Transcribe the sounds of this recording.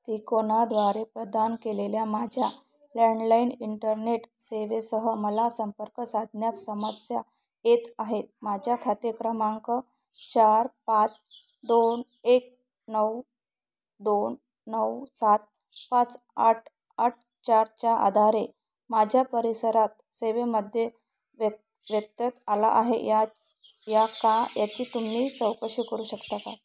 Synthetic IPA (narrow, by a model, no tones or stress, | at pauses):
t̪ikonad̪ʋaɾepɾəd̪ankeleljamad͡ʑʱja | leɳɖlainiɳʈəɾneʈseʋesəɦəməlasəmpəɾkəsad̪ʱnjat̪səmasja̰ | et̪aɦet̪̚mad͡ʑʱjakʰat̪ekɾəmaŋkə | t͡ɕaɾpãt͡s | d̪on | ek̚ | nəw | d̪onː | əwsat̪̚ | pãt͡s | a̰ʈ̚ʰ | aʈ̚ʰ | t͡ɕaɾt͡ɕjaʔa̰d̪ʱaɾe | mad͡ʑʱjapəɾisəɾat̪̚ | seʋeməd̪ʱje | ʋ | ʋjək̚t̪ət̪ala̰ʔaɦḛja | jakajat͡ɕiːt̪um̤iːt͡səwkəɕikəɾuːɕəkt̪aka̰